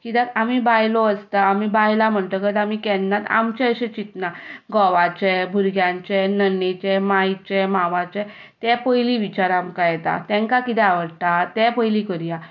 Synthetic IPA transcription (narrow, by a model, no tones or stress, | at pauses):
kit̪ɛamibajlɔəst̪aːmibajlam̤əɳt̪əkət̪amikɛnnat̪a̰mt͡ɕɛəɕet͡ɕit̪naɡɔʋat͡ɕɛbʱuɾɡjãɲt͡ɕɛnənːet͡ɕɛmajt͡ɕɛmaʋãt͡ɕɛ | t̪ɛpəjliʋit͡ɕaɾamkajɛt̪a̰t̪ɛ̃ŋkakit̪ɛaʋəɽt̪at̪ɛ̃pəjlikəɾija